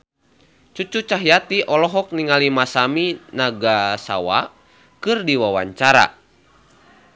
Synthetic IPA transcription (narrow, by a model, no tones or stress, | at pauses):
t͡ʃut͡ʃut͡ʃaɦijat̪iʔɔlɔɦɔk̚niŋalimasaminaɡasa̰wa̰ | kɨrdiwawa̰ɲt͡ʃaɾa̰